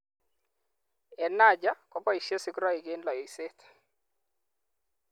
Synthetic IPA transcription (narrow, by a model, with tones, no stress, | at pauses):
ɛ˨na˦d͡ʒa˦kɔ˨˦pɔ˦i˨ʃje˦sɪ˦kɾɔ˦ɪ˨ɡɪ˦nlɔ˨ɔ˨i˨se˦t̪